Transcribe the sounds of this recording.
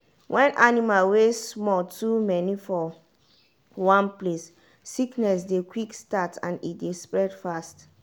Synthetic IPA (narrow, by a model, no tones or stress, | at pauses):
wʔɛ̃nʔanimalwessmɔltʰumɛnifɔ | wãnplesː | iknɛs̬dekwikstatʰã̰nitdespɹɛdfast